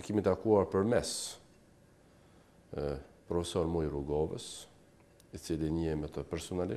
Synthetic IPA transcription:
ɛkimit̪əakuaɾpəɾmɛs | pɾɔfɛsɔɾmujɾuɡɔvə̰s | it͡siliɲəɛmɛt̪əpɛɾsɔnali

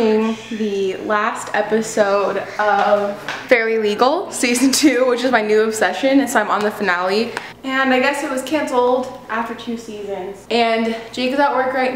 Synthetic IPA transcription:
ɪ̃ŋðɨlæstʰɛpɨsoʊɾʔʌv̥fɛɹlˠiliɡl̩ˠsizɨ̃n̩tʰʉwɪt͡ʃɨzmaɪnʉɨb̥sɛʃɨ̃nɨ̃nsoʊãɪ̃mə̃nðɨfɨnælˠi | ɨ̃naɪɡɛsɨt̚wʌz̥kʰæ̃nsl̩ˠdʔæftə˞tʰʉsizɨ̃nz̥ɨ̃n̥d͡ʒeɪkɨzəʔ̚wɜ˞kɹaɪt

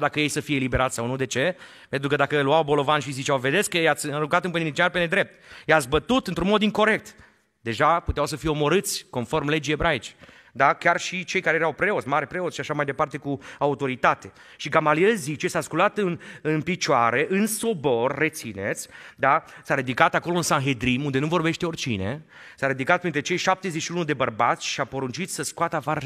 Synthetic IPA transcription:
d̪akəje̞jsəfijelibe̞ɾat̪sʲsawnud̪e̞t͡ʃe̞ | pe̞nt̪ɾukəd̪akəluawbo̞lo̞vanʃizit͡ʃawve̞d̪eskːjat̪sʲɨɾuŋkat̪ɨnpɨninit͡ʃiarpened̪ɾe̞p̚t̪jat̪sʲbət̪ut̪ɨnt̪ɾunmo̞d̪iŋko̞ɾe̞k̚t̪ | d̪e̞ʒaput̪eawsəfijeomo̞ɾɨt̪sʲko̞nfo̞rmle̞d͡ʒiebɾait͡ʃe̥ | d̪akʲarʃit͡ʃe̞jkaɾejeɾawpɾe̞ot̪sʲmaɾpɾe̞o̞t̪sʃiaʃamajd̪e̞part̪e̞kuaut̪o̞ɾit̪at̪e̞ | ʃikamalielzit͡ʃe̞saskulat̪ɨnɨnpit͡ʃoaɾeʔɨnso̞bo̞rːet̪sine̞t̪sʲd̪asaɾid̪ikat̪ako̞lo̞ɨnsanɦe̞d̪ɾimund̪e̞nuvo̞rbe̞ʃt̪eo̞rʲt͡ʃḭne̞̰ | saɾid̪ikat̪̚pɾint̪ɾet͡ʃe̞jʃap̚t̪e̞zeʃiunud̪e̞bərbat̪sʲʃiapo̞ɾunt͡ʃit̪sʲsəskoat̪əafaɾ

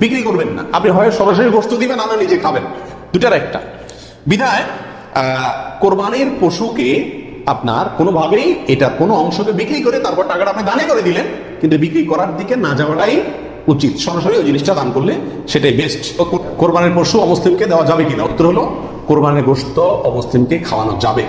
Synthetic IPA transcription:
bikɾikoɾbenːa̰a̰pniɦɔeʃɔɾaʃoɾiɡoʃt̪od̪ibenapnaɾnid͡ʑekʰaben | d̪ujʈaɾɛk̚ʈa̰ | bid̪ʱae | koɾbaneɾpoʃuke | apna̰ɾkonobʱabejeʈaɾkonoɔŋʃokebikɾikoɾet̪aɾpɔɾʈakaʈapnid̪anekoɾed̪ilen | kint̪ubikɾikɔɾaɾd̪ikenad͡ʑaoaʈaj | ut͡ɕit̪ʃɔɾaʃ̬oɾiod͡ʑiniʃʈad̪ankoɾle | ʃeʈajbesʈ | koɾbaneɾpoʃuɔmoslimked̪eoad͡ʑabekina̰ut̪ːoɾoɦolo | koɾbaneɾɡoʃt̪oɔmoslimkekʰaoanad͡ʑa̰be

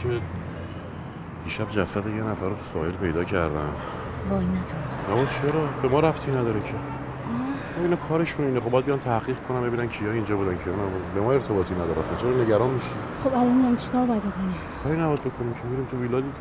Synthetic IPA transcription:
kʰe | b̥iːʃæbd͡ʒæsæd̪ejenæfæɾosɒ̰ːhe̞lpʰe̞jd̪ɒːcʰæɾd̪æ̰n | ɡɒːinːæt̪ʰoɾnabɒt͡ʃʰeɾɒːbe̞mɒːɾæpt̪ʰiːnæd̪ɒːɾecʰe | ɒː | obinɒːkʰɒːɾe̞ʃuniːnexobjæd̪bijɒnt̪ʰæhʁiːɡkʰonæmbe̞binæncʰijɒːind͡ʒɒːbuːd̪æncʰijɒnæbud̪bemɒːe̞ɾt̪ʰebɒːt̪ʰinæd̪ɒːɾæsænt͡ʃʰeɾɒne̞ɟæɾɒːnmiʃi | χobælɔnhamt͡ʃʰe̥kʰɒɾbɔjad̪bokʰoni | kʰɒːɾinæbɒːd̪bekʰonimcʰemiːɾiːmt̪ʰuviːlɒːd̪i

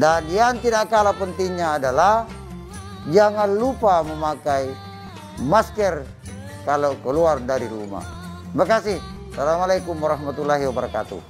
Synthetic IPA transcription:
dandiant̪idakalapənt̪iŋɲaːdalah | d͡ʒaŋanlupaməmakai | maskɛr | kalokəluardaɾiɾṵma̰ | imakasɪh | salamalakumwaɾahmat̪ulːaɦiwabəɾaka̰t̪ṵ

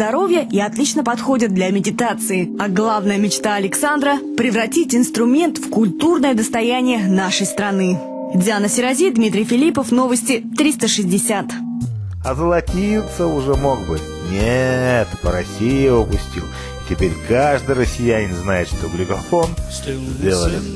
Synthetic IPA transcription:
d̪ɐɾo̞vʲjəʔiɐt̪lʲit͡ɕnəpɐt̪xo̞dʲɪt̪̚d̪lʲɐmʲɪdʲɪt̪at̪sɨɪɐɡlˠavnəjəmʲɪt͡ɕt̪aɐlʲɪksand̪ɾəpɾʲɪvɾɐtʲitʲɪnst̪ɾʊmʲe̞nt̪fkʊlʲt̪urnəjəd̪əst̪ɐjænʲɪjənaʂəjst̪ɾɐnɨ | dʲɪanəsʲɪɾɐzʲid̪mʲit̪ɾʲɪjfʲɪlʲipəfno̞vəsʲtʲɪt̪ɾʲist̪əʂɨzʲdʲɪsʲat̪ | ɐzəlˠɐtʲijʊt̪səʊʐɛmoɡbɨ | nʲet̪pəɾɐsʲijɪəpʊsʲtʲḭlˠ | tʲɪpʲeɾʲkaʐd̪ɨjrəsʲːɪjænʲɪnznajɪt̪ʂt̪oɡlʲɪɡɐfon | zʲdʲelˠəlʲɪ

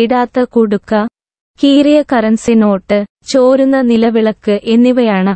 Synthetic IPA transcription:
iɽaːt̪ːɐkuɽukːɐ | kiːrijɐkɐrɐnsino̞ːʈːɨ | t͡ɕoːɾunːɐnilɐʋiɭɐkːɨʔe̞nːiʋɐjaːɳɨ

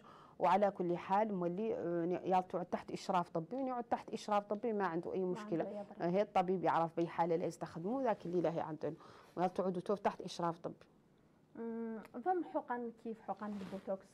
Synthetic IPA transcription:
wʕalækʊlːħalmwælːinjɑlt̪ˤʕud̪̚t̪aħt̪ʔəʃɾˤɑft̪ˤəbːiwnʕud̪̚t̪aħt̪ʔəʃɾˤɑft̪ˤəbːimaʕənd̪ṵʔæjːmʊʃkəlaɦit̪ˤːɑbibjəʕɾəfbæjːħalːælæjəst̪axd̪muðækəlːilæɦḭʕənd̪ənwjɑlt̪ˤʕud̪ut̪uft̪aħt̪ʔəʃɾˤɑft̪ˤəbːi̥ | ðˤɑmːħʊqɑnkʰifħuqɑnbəlbut̪oks

